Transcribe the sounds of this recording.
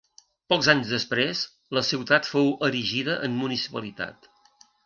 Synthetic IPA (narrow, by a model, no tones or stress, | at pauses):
pɔɡzaɲzðəspɾez | ləsiwt̪at̪fowəɾiʒiðəʔəmmunisi̥pəlit̪a̰t̪